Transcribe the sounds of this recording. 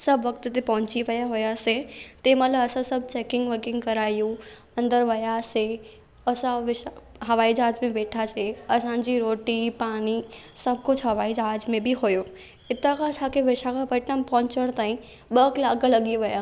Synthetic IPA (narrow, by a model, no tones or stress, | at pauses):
sɐbʋɐk̚t̪t̪epɐ̃ɦʊ̃ɲt͡ɕiʋɐjaɦʊjaset̪emɐt̪ləbɐsãsɐbt͡ɕeːkɪ̃ŋɡʋɐɡɪ̃ŋɡkɐɾaːijũ | ɐ̃nd̪əɾʋɐjase | ɐsãʋɪʃ | ɦɐʋaːid͡ʒaːd͡ʑmẽʋeːʈʰaseɐsãd͡ʑiɾoːʈipaːɽ̃isɐb̚kʊd͡ʑʰɦɐʋaːid͡ʑaːd͡ʑmẽbiɦojo | ɪt̪akʰãsãkʰeʋɪʃakʰãpɐʈãmpɐɦʊ̃ɲt͡ɕəɽ̃t̪aːĩ | ɓɐklaːɡalɐɡiʋɪja